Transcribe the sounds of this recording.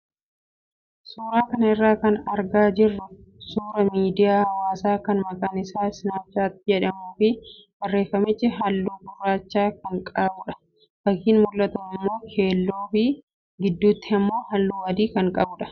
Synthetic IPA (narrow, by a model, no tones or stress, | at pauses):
suːɾaːkɐnɐɪrːaːkɐnɐɾɡaːd͡ʒɪrːʊsuːɾɐmiːd̪ɪjaːhɐwaːsaːkɐnmɐkʼaːnɪsaːsɪnaːt͡ʃːaːt̪ːɪd͡ʒɛᶑɐmuːfɪb̥ɐrːe̞ːfɐmɪt͡ʃːɪɦɐlːuːbʊrːaːt͡ʃːaːkɐŋkʼaːbʊᶑɐ̥ | fɐkːiːnmʊlːɐt̪ɐɪmːo̞ːkʰe̞ːlːoːfɪ | ɡɪd̪ːuːt̪ːɪɐmːo̞ːhɐlːuːɐd̪iːkɐŋkʼɐbʊᶑɐ̥